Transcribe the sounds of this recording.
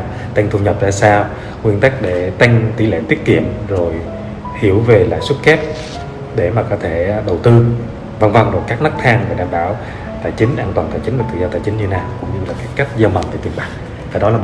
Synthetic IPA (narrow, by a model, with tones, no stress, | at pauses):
t̪a˧jŋ̟t̪ʰu˧ɲə˨˩p̚zaː˧saː˧w | ŋwi˧ənt̪a˦˥jk̟̚ɗe˧˩t̪a˧jŋ̟t̪i˧˩lḛ˧˨˥t̪i˦˥ət̚kḭ˧˨əmzo˨˩j | hi˧˩əwve˨˩la̰ː˧˨jswu˦˥t̚kɛ˦˥p̚ | ɗe˧˩maː˨˩kɔ˨˦t̪ʰe˧˩ɗə˨˩wt̪ɨ˧ | va˧nva˨˧˩wŋ͡mzo˨˩jkaː˦˥k̚nɨ˦˥k̚t̪ʰaː˧ŋve˨˩jɗaː˨˩mɓaː˧˩w | t̪aː˧˩jt͡ɕï˨˦ŋ̟ʔaː˧nt̪waː˨˩t̪aː˧˩jt͡ɕï˨˦ŋ̟vt̪ɨ̰˧˨˩zɔ˧t̪aː˧˩jt͡ɕï˨˦ŋ̟ɲɨ˧naː˨˩wkʊ̰˧˥ŋ͡mɲɨ˧laː˨˩kaː˨˦˥kkːa˦˥jk̟̚zaː˧wma˨˩nvaː˨˧˩t̪i˨˩ənɓaː˨˩k̚ | vʰaː˨˩ɗɔ˨˦laː˨˩˧